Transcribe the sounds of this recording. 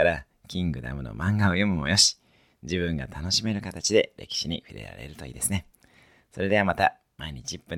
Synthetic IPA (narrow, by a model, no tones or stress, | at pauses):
aɾa | kʲĩŋɡɯ̟d̪a̰mɯ̟no̞̰mãŋɡaojomɯ̟mo̞̰jo̞ɕi̥ | d͡ʑibɯ̟̃ŋɡat̪ʰano̞ɕime̞ɾɯ̟kat̪at͡ɕid̪e̞ɾe̞̰kʲi̥ɕiɲ̟iɸi̟ɾe̞̰ɾa̰ɾḛɾɯ̟t̪o̞ḭːd̪e̞sɨne̞ | so̞ɾe̞d̪e̞amat̪a | maiɲ̟it͡ɕiːpːɯ̟̃n